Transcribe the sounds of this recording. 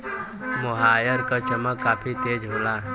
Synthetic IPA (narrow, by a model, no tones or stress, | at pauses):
moɦaːjəɾkat͡ʃəməkːaːpʰit̪eːd͡ʒɦoːlaː